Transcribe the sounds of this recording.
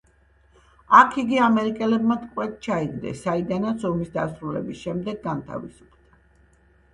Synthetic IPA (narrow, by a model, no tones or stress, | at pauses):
akʰiɡiamɛɾikʼɛlɛbmad̪kʼwɛt̪̚ʰt͡ʃʰaiɡd̪ɛ̰sːaid̪anat̪sʰɔmisd̪a̰sɾulɛ̰bisʃɛmd̪ɛɡːant̪ʰa̰vḭsu̥pʰd̪̥a